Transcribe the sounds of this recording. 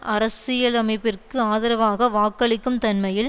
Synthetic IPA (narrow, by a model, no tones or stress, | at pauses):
ʔʔɐɾɐsɪjɐlɐmɐɪpːɪrkkɯaːðɐɾɐʋaːɣɐʋaːkːɐɭɪkːɯmt̪ɐnmɐjɪl